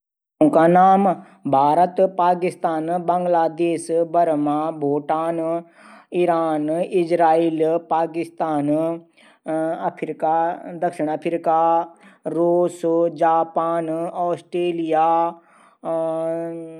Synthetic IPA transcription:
ʊ̃nkanaːm | bʱaːɾət̪paːkɪst̪aːnbɐ̃ŋɡlaːd̪eːsbɐɾmãbʱoːʈaːn | iɾaːnɪd͡ʒɾaːiːlpaːkɪst̪aːn | ɐpʰɾɪkad̪ɐkʃɪɽ̃ɐpʰɾika | ɾoːsd͡ʒaːpaːnɔːsʈɾeːlijaː

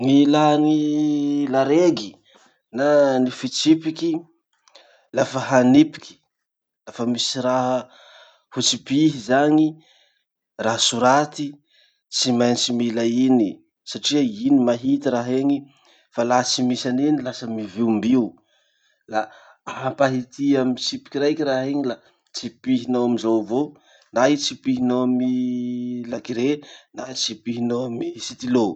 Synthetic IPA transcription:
ŋilani | laɾeɡi | nanifit͡sipiki | lafəɦanipi̥kʲi̥ | lafəmisiɾaɦ | hut͡sipiɦizaɲi | raɦsuɾat̪i | t͡simajnt͡similaini | saʈ͡ʂiainimaɦit̪iɾaɦeɲi | falat͡simisanenilasəmiviumbiu | la | aɦapaɦit̪iaminsipi̥kʲiɾajkiɾaɦeɲila | t͡sipiɦinawamizawvo | nait͡sipiɦinoami | lakiɾenait͡sipiɦinoamisit̪ilo

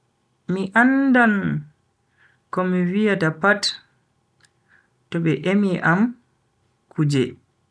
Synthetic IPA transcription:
miʔandan | kɔmiwijatapat | tɔɓɛʔemiʔam | kʰud͡ʒɛ̰

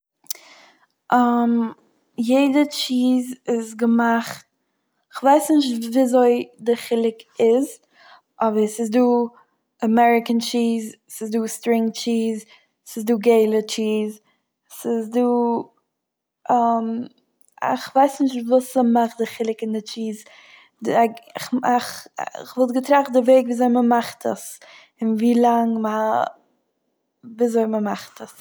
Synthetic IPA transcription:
ʔam | jeɪdət͡ʃiːzɪzɡəmaχt̚ | ɪχvaɪsnɪʃtviːzoɪdɪχɪlˠɪkɪz | ɔvəsɪzduː | əmɛɾɪkənt͡ʃiːz | sɪzduːstɾɪ̃ŋt͡ʃiːz | sɪzduːɡeɪlˠət͡ʃiːz | sɪzduː | am | ɪ̰χvaɪsnɪʃtvuːsəmaχdɪχɪlˠɪkɪndɪt͡ʃiːz | daɪχaχɪ̰χvɔlˠtɡətɾaχtdɪveɪkviːzoɪməmaχtʰə̰s | ɪnviːlˠaŋməa | viːzoɪməmaχtʰəs

